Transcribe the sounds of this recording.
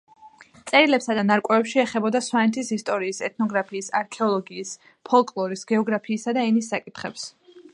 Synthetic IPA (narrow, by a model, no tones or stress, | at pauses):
t̪sʼɛɾilɛpsad̪anaɾkʼɛvɛpʃiɛχɛbɔd̪aswanɛt̪ʰisist̪ʼɔɾiːsɛt̪̚ʰnɔɡɾapʰiːsa̰ɾkʰɛɔlˠɔɡiːs | pʰɔlˠkʼlˠɔɾisɡɛɔɡɾapʰiːsad̪aɛnisːakʼit̪ʰχɛps